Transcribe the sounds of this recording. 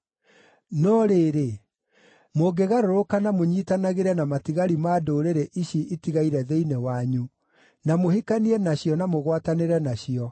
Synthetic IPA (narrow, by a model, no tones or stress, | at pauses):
nɔɾeːɾe | moɡeɣaɾoɾokanamoɲiːtanaɣeɾɛnamatiɣaɾimaːdoɾeɾeʔiɕiʔitiɣaiɾɛðeinɛwaɲu | namohikaniɛnaɕjɔnamoɣwataneɾɛnaɕiɔ